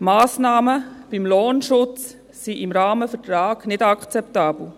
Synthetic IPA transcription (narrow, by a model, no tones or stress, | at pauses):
maːsnɑːməb̥imloːnʃʊt͡s | siʔɪmɾɑːməfətɾɑːɡ̥nɪdɑkʰt͡sɛptɑːb̥l̩